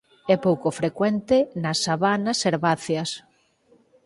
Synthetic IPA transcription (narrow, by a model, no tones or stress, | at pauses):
ɛpowkofɾekwɛnt̪ɪnɐsaβanɐseɾβaθjɐs